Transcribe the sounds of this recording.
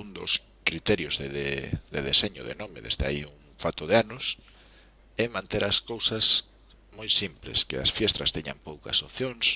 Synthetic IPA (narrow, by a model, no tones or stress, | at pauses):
und̪ʊs | kɾit̪ɛɾjʊzðeðeðeðeseɲʊðenɔmɪðḛzðea̰iuŋfat̪ʊðeanʊs | ɛmãnt̪eɾɐskowsɐs | mojsimplḛskɪɐ̰sfjɛst̪ɾɐst̪ɛɲɐ̰mpowkɐ̰soθjoŋs